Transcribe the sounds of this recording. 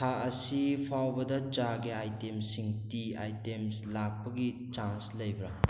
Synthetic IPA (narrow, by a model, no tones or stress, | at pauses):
tʰaɐsipʰawbɐdɐt͡ʃaɡiajtemsiŋtiajtemslak̚pɐɡi | t͡ʃanslɐjbɾa